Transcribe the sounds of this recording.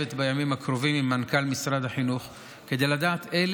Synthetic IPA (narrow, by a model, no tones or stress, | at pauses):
et̪bajamimhakʁovimimːankalmisʁad̪aħinuχ | ke̞d̪ejlad̪aːt̪el